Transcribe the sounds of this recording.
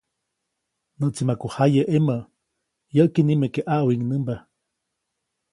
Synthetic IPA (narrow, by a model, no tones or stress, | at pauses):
nəʔt͡simakohajeʔemə | jəʔkinimekeʔaʔwiŋnəmba